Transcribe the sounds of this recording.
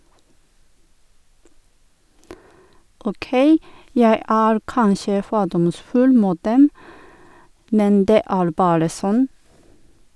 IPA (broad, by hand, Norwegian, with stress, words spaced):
oːˈkeɪ ˈjæɪ ˈæːɾ ˈkɑnʃə ˈfoːdɔmˌsfʉl ˈmuːt ˈdɛm ˈmɛn ˈdeː ˈæːɾ ˈbɑːɾə ˈsɔn